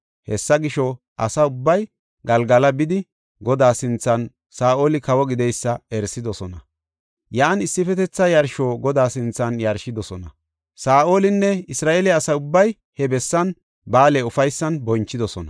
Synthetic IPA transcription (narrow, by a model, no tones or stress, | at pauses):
hɛsːɐɡɪʃɔ | ʔɐsɐʊbːɐj | ɡɐlɡɐlɐbɪd̪ɪ | ɡɔd̪aːsɪnt͡sːɐn | saːʔo̞ːlɪkɐwɔɡɪd̪ɛjsːɐɛɾsɪd̪ɔsɔnɐ | jaːnɪsːɪfɛt̪ɛt͡sːɐjɐɾʃo̞ːɡɔd̪aːsɪnt͡sːɐnjɐɾʃɪd̪ɔsɔnɐ | saːʔo̞ːlɪnːɛɪsɾaːʔeːlɪɐsɐjʊbːɐj | hɛbɛsːɐn | baːleʊfɐjsːɐnbɔnt͡ʃːɪd̪ɔsɔnɐ